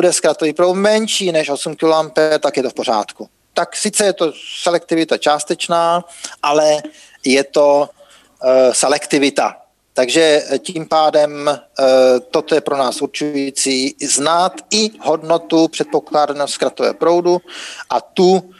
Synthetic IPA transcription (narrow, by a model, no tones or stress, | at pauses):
budɛskɾat̪oviːpɾowt̪mɛnʃiːnɛʃo̞sumkɪlampɛt̪akjɛt̪ofpo̞ɾ̝a̰ːt̪ku | t̪aksɪt͡sɛjɛt̪osɛlɛk̚t̪ɪvɪt̪at͡ʃaːst̪ɛt͡ʃnaːʔalɛ | jɛt̪o̞ | sɛlɛkt̪ɪvɪt̪a̰ | t̪aɡʒɛciːmpaːdɛm | t̪ot̪ojɛpɾonaːsuɾt͡ʃujiːt͡siːznat̪ɪɦodno̞t̪upr̥ɛt̪̚po̞klaːdanoskɾat̪ovɛ̰ɦopɾo̞wduʔa̰t̪u